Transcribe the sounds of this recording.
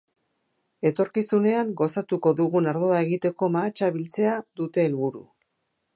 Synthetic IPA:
e̞t̪o̞ɾkisune̞aŋɡo̞sat̪uko̞ðuɣunaɾðo̞ae̞ɣit̪e̞ko̞maːt͡ʃaβilt͡se̞aðut̪e̞ːlβuɾu

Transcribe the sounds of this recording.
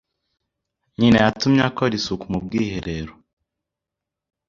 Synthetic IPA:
ɲinejatumɲakoɾisukumub̚ɡiːɦiɾeɾu̥

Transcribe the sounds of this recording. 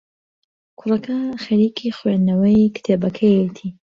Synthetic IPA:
kʰʊrɐkʰɐxɐɾiːkʰixwenɐwɐjkɨ̥t̪ʰebɐkʰɐjet̪ʰi

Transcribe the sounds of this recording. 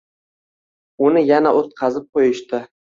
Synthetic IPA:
ʊnɪjanaʔot̪̚qʰɑzɪp̚qʰojɪʃt̪ɪ

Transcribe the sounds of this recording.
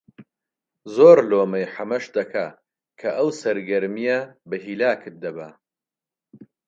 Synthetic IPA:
zoːɾloːmɐjħɐmɐʃd̪ɐkʰa | kʰɐʔɐwsɐɾɡɐɾmijɐbɐɦiːlaːkʰɨt̪̚d̪ɐbɐ

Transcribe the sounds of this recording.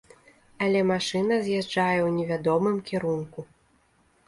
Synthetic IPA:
alʲɛmaʂɨnɐzʲjad͡ʐajɛwnʲɛvʲad̪ɔmɨmkʲɛɾunku

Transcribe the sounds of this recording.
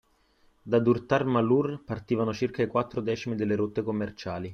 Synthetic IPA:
d̪ad̪urt̪armalurpart̪iːvanot͡ʃirkaikwat̪ːɾod̪ɛːt͡ʃimid̪elːeɾot̪ːekomːert͡ʃaːli

